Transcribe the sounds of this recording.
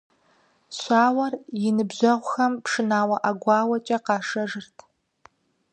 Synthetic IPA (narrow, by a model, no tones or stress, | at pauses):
ɕʷaːwɐrjɪnɨbʑɐʁʷʊxɐmpʰʂɨnaːwɐʔaɡʷɑːwɐt͡ʃʼɐqɑːʂɐʐɨrtʰ